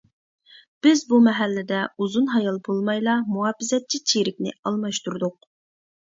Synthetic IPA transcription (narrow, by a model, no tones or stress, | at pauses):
b̥ɪzbumɛɦælːɪd̪ɛuzunɦɑjɑlˠbolˠmɑjlˠɑmuɑːpɪzɛt̪̚t͡ʃʰːit͡ʃʰiɾɪkʲnɪ̰ɑlˠmɑʃt̪uɾd̪ʊq̚